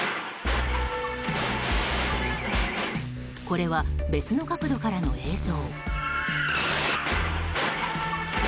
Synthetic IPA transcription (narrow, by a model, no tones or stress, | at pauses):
ko̞ɾe̞βabe̞t͡sɨno̞kakɯ̟d̪o̞kaɾano̞e̞ːso̞ː